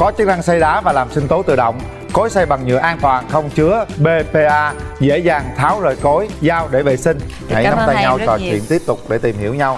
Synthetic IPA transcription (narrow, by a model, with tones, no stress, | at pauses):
kɔ˨˦t͡ɕɨ˦˥k̚na˧ŋsa˧jɗaː˨˦vaː˨˩laː˨˩msï˧ŋ̟t̪o˨˦jt̪ɨ̰˧˩ɗə̰˧˨wŋ͡m | ko˨˦jsa˧jɓa˨˩ŋɲɨ̰˧˨əʔaː˧nt̪waː˨˩nxə˧wŋ͡mt͡ɕɨ˨˦əɓe˧pe˧ʔaː˧zḛ˧˥zaː˨˩ŋt̪ʰaː˨˦wzəː˨˩jko˨˦jzaː˧wɗe˧˩vḛ˨˩sï˧ŋ̟ | ha˧˩jna˨˦ŋ͡mt̪ːjɲa˧wt͡ɕɔ˨˩t͡ɕwwḭ˧˨ənt̪i˦˥əp̚t̪ʊ˨˩k͡p̚ɗe˧˩t̪i˨˩mhi˧˩əwɲa˧w